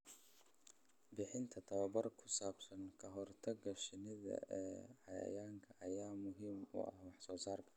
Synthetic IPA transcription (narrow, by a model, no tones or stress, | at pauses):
bɪħɪnt̪ʰɐt̪ʰɐwɐbɐrkʰʊsaːbsɐnkʰɐɦɔrt̪ʰɐɡɐʃɪnɪðɐ̰ʔɛːʕɑjɐ̰jaːŋkʰɐʔɐjaːmʊɦimʊ̰ʔɐ̰hwɑħsɔːsaːrkʰɐ̥